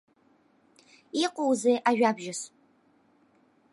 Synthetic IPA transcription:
iqʷʼowzejʔaʒʷᶣaːbʒɪs

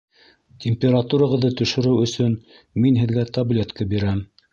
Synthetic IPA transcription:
t̪ʲʰemʲpʲeɾat̪uɾaʁɤ̆ðːɤt̪ɵ̆ʃɵ̆ɾɘwɵ̆sɵn | minɦɘ̆ðɡæt̪ɐblʲet̪kɤbiɾæm

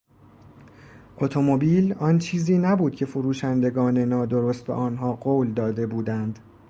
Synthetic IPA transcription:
ʔot̪ʰo̞mobiːlɒnt͡ʃʰiːziːnæbuːd̪̥cʰe̞foɾuːʃænd̪e̞ɡɒːne̞nɒːd̪o̞ɾost̪̚be̞̰ʔɒːnɦɒːɢoːld̪ɒːd̪e̞buːd̪ænd̪

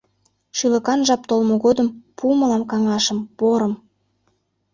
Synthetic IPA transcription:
ʃylə̆kɑnʒɑp̚t̪olmoɣod̪əmpumɤlɑmkɑŋɑʃəmpoɾə̆m

